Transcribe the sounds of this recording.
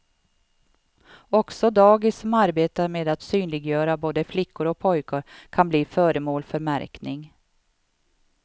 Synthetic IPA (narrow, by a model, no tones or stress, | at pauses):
ɔksɔd̪ɑːɡɪsɔmaɾbeːt̪aɾmeːd̪at̪syːnlɪɡjœːɾaboːd̪əflɪkːʊɾɔpʰɔjkəɾkʰanbliːfœːɾəmoːlfœɾmæ̰ɾknɪŋ